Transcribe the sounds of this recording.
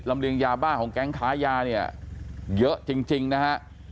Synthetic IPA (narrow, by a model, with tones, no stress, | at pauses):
laː˨˩mlḭ˧˨ənzaː˨˩ɓaː˧ho˨˩nkaː˨˦ŋxaː˧˦zaː˧˩nɛ˧˩a̰˧˨ɣɨ̰˧˥ət͡ɕi˨˧˩ŋt͡ɕï˨˩ŋna˨˧haː˧˩